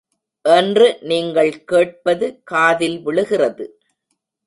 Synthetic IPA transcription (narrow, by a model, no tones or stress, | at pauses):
ʔɛndrɯniːŋɡɐɭkeːʈ̚pɐðɯkaːðɪlʋɪɭɯɣɪrɐðɯ